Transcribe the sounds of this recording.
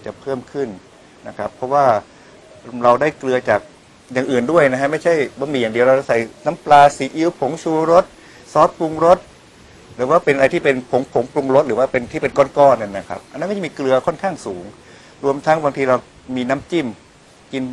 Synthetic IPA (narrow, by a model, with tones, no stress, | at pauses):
t͡ɕa˨˩pʰɤː˥˩mkʰɯ˥˩nː | a˦˥kʰɾa˦˥pʰːɔ˦˥waː˥˩ | ɾa˧wdaː˥˩jklɯ˧ɐt͡ɕaː˨˩k̚ | jaː˨˩ŋʔɯː˨˩ndu˥˩əjna˦˥kʰa˦˥ma˥˩jt͡ɕʰa˥˩jbɔ˧˦miː˧jaː˨˩ŋdi˧əwɾa˧wɾa˥˧˩sa˨˩jna˦˥mplaː˧siː˨˦ʔi˦˥wpʰo˩˦ŋt͡ɕʰuː˧ɾo˦˥t̪̚ | sɔː˦˥t̪̚pu˧ŋɾo˦˥t̪̚ | ɾɯː˩˦waː˥˩pe˧nʔa˧a˧jt̪ʰiː˥˩pe˧npʰo˩˦ŋpʰo˨˩˦ŋplu˧ŋɾo˦˥t̪̚ɾɯː˩˦waː˥˩pe˧nt̪ʰiː˥˩pe˧nkɔː˥˩nkɔː˥˩nɯ˧˩nːa˦˥˩kʰa̰˦˥p̚ʔa˧nː˧˦˥ma˥˩˥miː˧klɯ˧ɐkʰɔ˥˩nkʰaː˥˩ŋsuː˩˦ŋ | ɾu˧əmt̪ʰa˦˥ŋbaː˧ŋt̪ʰiː˧ɾa˧w | miː˧na˦˥mt͡ɕi˥˩m | ki˧n